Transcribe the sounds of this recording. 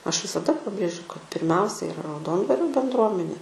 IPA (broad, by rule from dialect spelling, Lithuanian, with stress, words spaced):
ˈɐʃ ʋʲɪsɐˈdɐ pɐˈbʲrʲeːʒʲʊ kɐt pʲɪrʲˈmʲɛʊsʲɛ ɪˈrɐ rɐʊˈdoːndʋɐrʲoː bʲɛndˈruɔmʲɛnʲeː